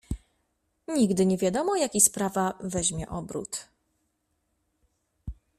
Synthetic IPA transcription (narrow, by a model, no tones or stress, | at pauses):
ɲiɡd̪ɘɲɛvʲjad̪ɔmɔjakʲispɾavavɛʑmʲjɛʔɔbɾṵt̪